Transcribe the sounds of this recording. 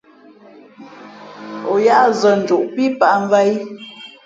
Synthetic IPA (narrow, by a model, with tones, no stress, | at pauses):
o˨ja˦ʔzə˨n̩˨d͡ʒu˨ʔpi˦pa˦˨ʔɱ˦va˦j